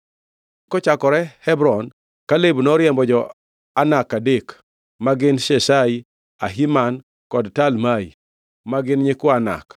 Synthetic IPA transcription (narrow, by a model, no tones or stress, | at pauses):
kɔt͡ʃakɔɾɛhɛbɾɔn | kalebnɔɾjɛmbɔd͡ʒɔ | anakadek | maɡɪnʃɛʃai | a̰ɦiman | kɔdtalmai | maɡɪnɲɪkʊana̰k